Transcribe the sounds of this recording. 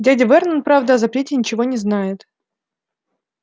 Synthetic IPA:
dʲædʲɪvɛrnənpɾavd̪əɐzɐpɾʲetʲɪnʲɪt͡ɕɪvonʲɪznajɪt̪

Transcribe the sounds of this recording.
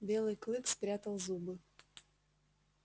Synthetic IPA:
bʲelˠɨjklˠɨkspɾʲat̪əlˠzubɨ

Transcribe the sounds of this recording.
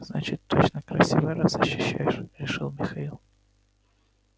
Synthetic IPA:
znat͡ɕɪt̪ːot͡ɕnəkɾɐsʲivɨjɾasɐɕːʏɕːæjɪʂɾʲɪʂɨlˠmʲɪxɐilˠ

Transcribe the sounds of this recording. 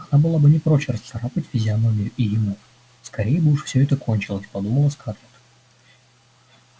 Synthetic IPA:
nabɨlˠabɨnʲɪpɾoɕəɾəst̪sɐɾapətʲvʲɪzʲɪanomʲijʔijɪmu | skɐɾʲejəbɨuʂfsʲɵɛt̪əko̞nʲt͡ɕɪlˠəsʲpɐd̪uməlˠəskat̪lʲɪt̪

